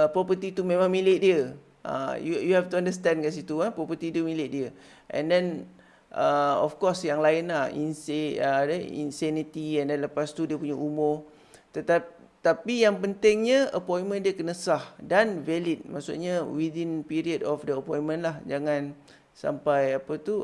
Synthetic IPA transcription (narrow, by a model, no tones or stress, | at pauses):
əpɾɔpət̪it̪umẽmãŋmĩlet̪̚diə | ʔã̰jujuɦɛft̪uandəst̪ɛ̃nkas̬it̪uapɾɔpət̪idumĩlɪʔ̪̚diə | ʔɛ̰̃ndɛn | ʔəɔ̰fkɔsjaŋlaɪnlahḭnsədəḭnsɛnit̪iɛndɛnləpast̪udiəpuɲaʔumʊr | t̪ət̪a | t̪apijaŋpənt̪ɪŋɲaəpɔ̃inmə̃ndiəkənəsahdanvɛlit̪̚ma̰ʔsṵʔɲawidinpiɾiədɔfdəəpɔ̃jnmə̃nlahd͡ʒaŋãn | sa̰mpajapət̪u